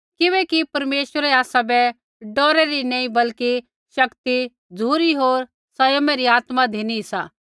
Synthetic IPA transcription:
kɪʋɛ̃ːkipɐɾmeːʃʋəɾɛaːsabɛ | ɖɔːɾɛɾinɛ̃ːĩbɐlki | ʃɐkt̪i | d͡zʱuːɾiɦoːɾ | sɐjomɛɾiaːt̪mad̪ʱeːnisaː

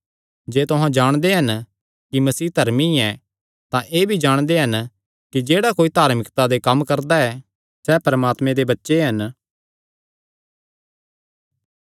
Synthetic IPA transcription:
d͡ʒeːt̪ʊɦãd͡ʒaːɽ̃d̪eɦɐn | kimɐsiːd̪ʱɐɾmiɛ | t̪ãʔeːbʱid͡ʒaːɽ̃d̪eɦɐn | kid͡ʒeːɽakoːit̪aːɾmɪkt̪ad̪ekɐmkɐɾd̪aɛ | sɛːpɐɾəmaːt̪mẽd̪ebɐtːʃeɦɐn

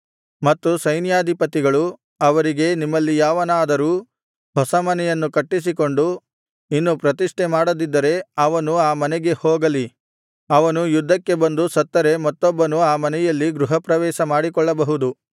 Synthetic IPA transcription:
mɐt̪ːusɐjnjaːd̪ʱipɐt̪iɡɐɭu | ɐʋɐɾiɡe̞nimːɐlːijaːʋɐnaːd̪ɐɾuː | hɔsɐmɐnɛjɐnːukɐʈːis̬iko̞ɳɖu | inːupɾɐt̪iʂʈemaːɽɐd̪id̪ːɐɾe̞ɐʋɐnuaːmɐnɛɡe̞hɔːɡɐli | ɐʋɐnujud̪ʱːɐkːe̞bɐnd̪usɐt̪ːɐɾe̞mɐt̪ːɔbːɐnuaːmɐnɛjɐlːiɡɾuɦɐpɾɐʋɛːʃɐmaːɽikɔɭːɐbɐɦud̪u

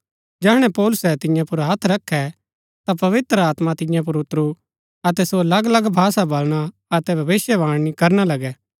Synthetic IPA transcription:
d͡ʒɛːɦɽ̃ɛpɔːlʊsɛt̪ɪ̃jãpʊɾɦɐt̪ʰɾɐkʰːɛ | t̪apɐʋɪt̪ɾəaːt̪mat̪ɪ̃jãp̬ʊɾʊt̪ɾu | ɐt̪ɛsolɐɡlɐɡbʱaːsabɐlɽ̃a | ɐt̪ɛbʱɐʋɪsjɛʋãːɽ̃nikɐɾnalɐɡɛː

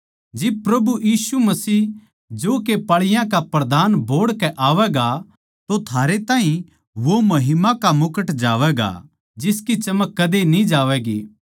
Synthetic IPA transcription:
d͡ʒɪb̚pɾɐbujiːsumɐsiː | d͡ʒoːkepaːɭɪjãkapɾɐd̪aːnbʱoːɽkɛʔaːʋɛɡa | t̪ot̪ʰaːɾet̪ãːɦĩ | ʋomɐɦɪmakamʊkəʈd͡ʒa̰ːʋɛɡa̰ | d͡ʒɪskit͡ʃɐməkːɐd̪enĩd͡ʒaːʋɛːɡḛː

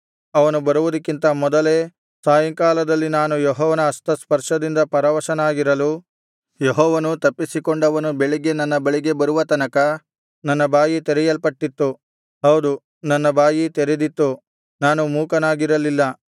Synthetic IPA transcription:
ɐʋɐnubɐɾuʋud̪ɐkːint̪ɐmɔd̪ɐleː | saːjɐŋkaːlɐd̪ɐlːinaːnujɔɦɔːʋɐnɐːst̪ɐspɐɾʂɐd̪ind̪ɐpɐɾɐʋɐʃɐnaːɡiɾɐlu | jeɦɔːʋɐnut̪ɐpːisikoɳɖɐʋɐnubeɭiɡe̞nɐnːɐbeɭiɡe̞bɐɾuʋɐt̪ɐnɐkɐ | nɐnːɐbaːjit̪eɾɛjɐlpɐʈːit̪ːu | ɦɐwd̪u | nɐnːɐbaːjit̪eɾed̪it̪ːu | naːnumuːkɐnaːɡiɾɐlilːɐ

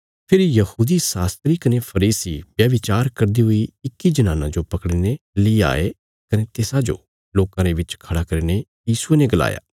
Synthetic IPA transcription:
pʰɪɾjɐhuːd̪isaːst̪ɾikɐnepʰɐɾiːsibjɐʋɪt͡ʃaːɾkɐɾd̪iɦʊiɪkːid͡ʒɐnaːnã̰d͡ʒopɐkɽinelia̰ːe | kɐnet̪eːsãd͡ʒo̰ | loːkãɾeʋɪt͡ʃkʰɐɽakɐɾinejiːsʊeneɡɐla̰ːja̰ː

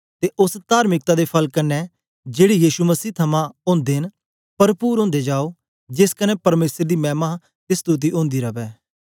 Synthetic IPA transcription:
t̪eʔʊst̪aːɾmɪk̚t̪ad̪epʰɐlkɐnːɛ | d͡ʒeːɽijiːʃuməsiːt̪ʰɐmãʊ̃ːnd̪eːn | pɐɾpuːɾɦõːnd̪ed͡ʒaːo | d͡ʒɪskənɛpɐɾmeːsəɾd̪imɛːma | t̪esə̥t̪uːt̪̬iʔõːnd̪iɾɐbɛː

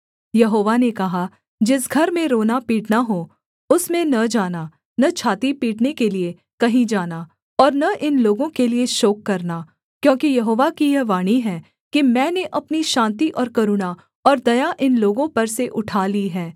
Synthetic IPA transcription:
jɐɦoːʋanekɐɦa | d͡ʒɪsɡʱɐɾmẽɾoːnapiːʈnaɦoː | ʊsmẽnɐd͡ʒaːna | nɐt͡ʃʰaːt̪ipiːʈnekelie | kɐɦĩd͡ʒaːna | ɔːɾnɐʔɪnloːɡõkelieʃoːkːɐɾna | kjõːkijɐɦoːʋakijɛɦʋaːɽ̃iɦɛ̃ː | kimɛ̃ːneʔɐpniʃãːnt̪iʔɔːɾkɐɾuɽa | ɔːɾd̪ɐjaʔɪnloːɡõpɐɾseʔʊʈʰaːliɦɛ̃ː

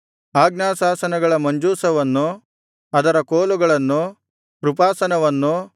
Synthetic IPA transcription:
aːɡnaːsaːsɐnɐɡɐɭɐmɐɲd͡ʒuːsɐʋɐnːu | ɐd̪ɐɾɐkoːluɡɐɭɐnːu | pɾupaːsɐnɐʋɐnːu

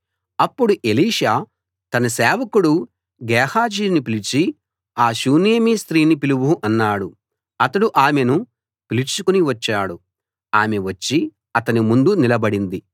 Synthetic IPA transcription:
ɐpːuɽuʔeliːʃaː | t̪ɐnɐsɛːʋɐkuɽu | ɡɛːhaːd͡ʒiːnipilit͡ʃi | aːʃuːneːmiːst̪ɾiːnipiluʋuʔɐnːaːɽu | ɐt̪ɐɽuʔaːmenu | pilit͡ʃukuniʋɐt͡ʃːaːɽu | aːmeʋɐt͡ʃːi | ɐt̪ɐnimund̪unilɐbɐɽind̪i

